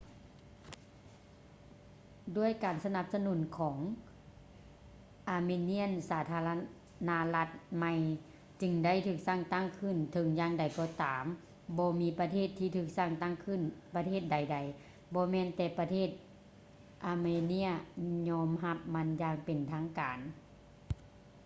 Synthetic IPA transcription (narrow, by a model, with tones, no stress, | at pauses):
du˥˩˨əjkaː˨˩nsa˧na˧˦p̚sa˧nu˨˩˦nkʰɔː˩˦ŋ | ʔaː˨˩meː˧ni˧˥˨ənsaː˨˩˦t̪ʰaː˧la˧ | na˧˥la˧t̪̚ma˧j | t͡ɕɯ˧ŋda˥˨jt̪ʰɯː˧˩k̚sa˧˩˨ŋt̪a˥˩ŋkʰɯ˧˩˨nt̪ʰɤ˨˦ŋjaː˧˨ŋda˨˩jkɔː˧t̪aː˨˦m | bɔː˧miː˧˥pa˧t̪ʰeː˥˩t̪ʰːiː˧t̪ʰɯː˧˩k̚sa˧˥˩ŋt̪a˥˩ŋkʰɯ˧˥˨npa˧t̪ʰeː˥˩t̪̚da˨˩jda˨˩j | bɔː˧˦mɛː˧˨nt̪ɛː˧˩pa˧t̪ʰeː˧˥˩t̪̚ | ʔaː˨˩meː˧ni˧˥əɲɔː˧˥mɦa˧˥p̚ma˧˥njaː˧ŋpe˨˩nt̪ʰaː˧˥ŋkaː˨˩n